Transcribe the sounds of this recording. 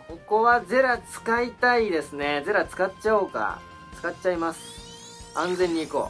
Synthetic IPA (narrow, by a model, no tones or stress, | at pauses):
ko̞ko̞βad͡ze̞ɾat͡sɨ̥kait̪aid̪e̞sɨne̞ze̞ɾat͡sɨ̥katt͡ɕaoːka̰ | t͡sɨ̥katt͡ɕːaimasɨ̥ | ãnd͡zẽ̞ɲ̟ːiːko̰ː